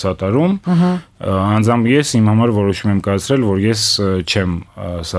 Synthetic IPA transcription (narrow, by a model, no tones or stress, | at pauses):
sɑt̪ɑɾum | ɑnd͡zɑmjɛsimhɑmɑɾvɔɾɔʃumɛmkɑjɑt͡sʰɾɛlvɔɾjɛst͡ʃʰɛmsɑ